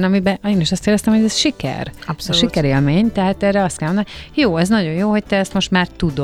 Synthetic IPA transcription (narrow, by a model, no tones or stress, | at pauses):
nɒmibɛeːniʃɒst̪eːɾdɛst̪ɛmhoɟɛzʃikɛ̰rpsʃikɛɾeːlmeːɲt̪ɛɦaːt̪ɛːɾɛɒst̪kɛlmonajoːɛznɒɟo̞njoːɦo̞c̚t̪ɛɛst̪mo̞ʃt̪maːrt̪ud̪o